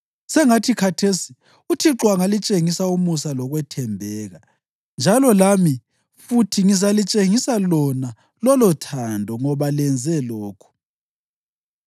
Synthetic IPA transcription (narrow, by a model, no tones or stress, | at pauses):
sɛŋatʰikʰatʰesi̥ | utʰiǁwaŋalit͡ʃʼeŋisaumusalɔɣwɛtʰɛmbʱɛːɣa | nd͡ʒʱalɔlami | futʰiŋizalit͡ʃʼeŋisalɔna | lɔlɔtʰandʱɔŋɔβalɛnd͡zʱɛlɔːkʰu̥